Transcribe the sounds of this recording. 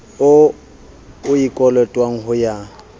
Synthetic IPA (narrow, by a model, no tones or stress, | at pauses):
ʊ | ʊikʼɔlɛtʼwaŋ̩ɦʊja